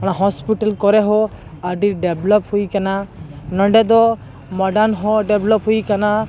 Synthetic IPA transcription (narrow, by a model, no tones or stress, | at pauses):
ɔɽ̃aɦɔspiʈalkɔɾɛɦɔ | aɖiɖeblɔp̚hujkananəɖɛd̪ɔ | mɔɖanɦɔɖeblɔpɦujkana